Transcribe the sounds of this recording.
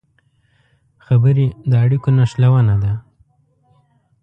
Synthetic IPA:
xabəɾed̪əaɽikonaʃlawanad̪a

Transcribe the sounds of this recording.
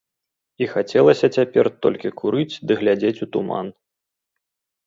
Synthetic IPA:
ixat͡sʲɛlˠɐsʲɐt͡sʲapʲɛrt̪ɔ̰lʲkʲikʰuɾɨt͡sʲd̪ɨɣlʲad͡zʲet͡sʲut̪uma̰n

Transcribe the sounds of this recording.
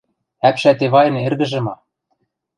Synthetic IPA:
æpʃæt̪eβɑjɤ̆nĕrɣɘ̆ʒɘ̆mɑ

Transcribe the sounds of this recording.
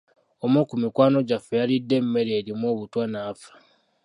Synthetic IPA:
omokumikwaːno̞ɟafejalidːe̞mːe̞ɾeːɾimoːβutwanaːfḁ

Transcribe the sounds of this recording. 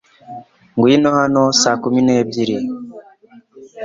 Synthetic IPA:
ŋɡwinohanosakumineːbɟiɾi

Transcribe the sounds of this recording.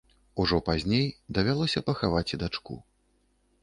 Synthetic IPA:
uʐɔpazʲnʲejd̪ɐvʲalˠɔsʲɐpɐxavat͡sʲid̪at͡ʂkṵ

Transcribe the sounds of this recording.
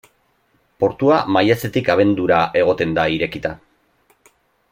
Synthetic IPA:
po̞ɾt̪uamajase̞t̪ikaβ̞e̞nd̪uɾaʔe̞ɣ̞o̞t̪e̞nd̪aiɾe̞kit̪a

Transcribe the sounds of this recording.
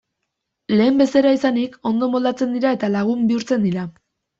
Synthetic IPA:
le̞ːmbe̞se̞ɾaisaniko̞nd̪o̞mo̞ld̪at͡se̞nd̪iɾae̞t̪alaɣ̞umbiuɾt͡se̞nd̪iɾa

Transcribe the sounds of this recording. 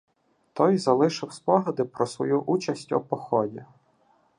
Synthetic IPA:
t̪ɔjzɐlˠɪʃɪwspɔɦɐd̪ɪpɾɔsʋɔ̰juʔut͡ʃɐsʲtʲɔ̰pɔxɔdʲi

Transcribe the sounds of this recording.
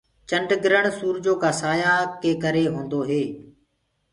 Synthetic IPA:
t͡ʃəɳɖɡɪɾəɳsuːɾd͡ʒoːkaːsaːjaːkeːkəɾeːɦõːnd̪oːɦeː

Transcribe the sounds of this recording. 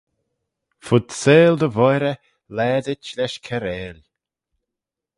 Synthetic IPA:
fʊd̪seːld̪əvɔjɾə | lɛːd̪ɪt͡ʃlɛʃkʰɛɾeːlʲ

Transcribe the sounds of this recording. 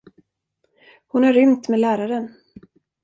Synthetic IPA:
hʊnæɾʏmt̪meːlæːɾaɾən

